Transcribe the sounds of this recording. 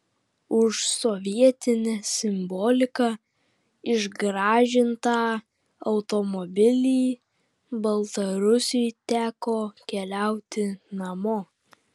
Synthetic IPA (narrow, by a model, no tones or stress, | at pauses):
ʊʃsɔʋʲiɛt̪ʲɪnʲɛsʲɪmbɔːlʲɪkɑː | ɪʒɡɾɑːʒʲɪnt̪ɑː | ɐʊt̪ɔmɔbʲɪlʲiː | bɐlˠt̪ɐɾʊsʲɪjt̪ʲæːkoːkʲɛlʲæˑʊt̪ʲɪnɐmoː